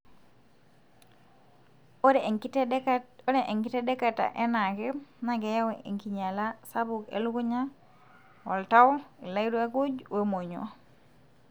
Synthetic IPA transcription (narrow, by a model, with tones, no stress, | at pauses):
o˦ne˨ʔe˨ŋki˦te˦de˦ka˨ta̰˨ʔe˦na˨ke˦na˨ɡe˨ja˦wee˨ŋki˨ɲa˨la˦sa˦bu˨kḛ˨lu˦ku˦ɲa˦ | wɔ̰˨lta˦wi˨la˦jdu˦a˦ku˦d͡ʒwe˨mo˨ɲo̰˨